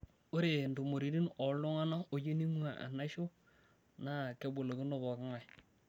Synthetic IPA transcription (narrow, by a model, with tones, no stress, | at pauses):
o˦ɾe˨ndu˨mo˨ɾi˨˦ɾi˦nɔ˨lo˦ŋa˦na˦o˨d͡ʒe˦ni˦mu˦a˨ʔa̰˨na˦ʃo˦ | na˦ke˨bo˨lo˨kɪ˦no˦˨bɔ˨kɪ˦ŋa˨j